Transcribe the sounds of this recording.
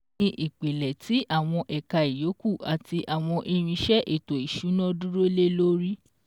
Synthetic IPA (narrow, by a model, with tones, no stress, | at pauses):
ĩ˧ʔi˨k͡pe˨lɛ˨tʰi˨˦ʔa˦˨w̃ɔ̃˧ʔɛ˨ka˧i˨jo˨˦ku˦˨a˨ti˧ʔa˨w̃ɔ̃˧ʔe˧ɾ̃ĩ˧ʃɛ˦ʔe˦˨to˨i˨ʃu˨˦nɔ̃˦du˦ɾo˦le˦lo˦ɾi˦